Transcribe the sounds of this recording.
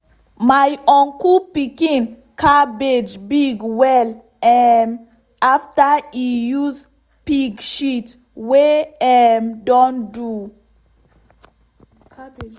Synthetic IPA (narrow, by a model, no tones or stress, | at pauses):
majɔ̃nkupikĩn | kʰabed͡ʒbiɡwɛl | ɛm | aftaijuz | piɡʃit | weɛmdɔ̃ndu